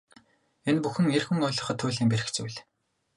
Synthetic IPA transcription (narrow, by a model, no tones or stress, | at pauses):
enpuxɘ̆ŋerxuŋʊjɮɞ̆χɞ̆t̪ʰːuːɮiːŋpeɾɘ̆kt͡sujɮ